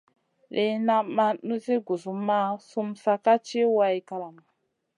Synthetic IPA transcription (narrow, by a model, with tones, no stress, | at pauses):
le˨na˦ma˦nu˦ze˦ɡu˨zu˨ma˦su˦msa˧ka˦t͡ʃi˦wa˦i˦ka˦la˨ma˨